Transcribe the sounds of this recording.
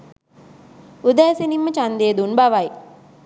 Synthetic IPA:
ud̪æːsenimːət͡ʃand̪eːd̪unbaʋaj

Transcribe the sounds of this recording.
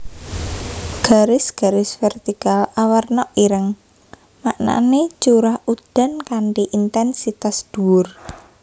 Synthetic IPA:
ɡ̥a̤ɾɪsɡ̥a̤ɾɪsfɛrt̪ikalawərnɔʔiɾəŋ | ma̰ʔna̰net͡ʃuɾahud̪̥a̤nkaɳʈiʔint̪ɛnsit̪asd̪̥ṳwʊr

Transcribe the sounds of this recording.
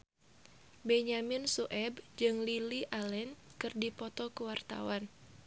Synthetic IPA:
bɛɲaminsuʔɛbd͡ʒɨŋliliʔalɛnkɨrdipɔt̪ɔkuwart̪a̰wan

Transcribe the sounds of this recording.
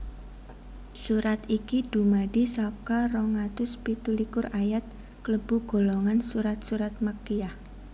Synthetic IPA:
suɾat̪ikid̥ṳmaɖisɔkarɔŋat̪ʊspit̪ulikʊrajat̪̚ | kləb̥uɡ̥o̤lɔŋansuɾat̪̚suɾat̪̚məkijah

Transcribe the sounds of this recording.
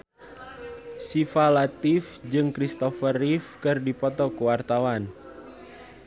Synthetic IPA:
sifalat̪ɪfd͡ʒɨŋkɾist̪ɔfərifkɨrdipɔt̪ɔkuwart̪awan

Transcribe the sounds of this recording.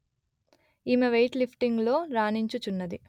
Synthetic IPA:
iːmeʋejʈlipʰʈiŋɡlo̞ːɾaːniɲt͡ʃut͡ʃunːɐd̪i

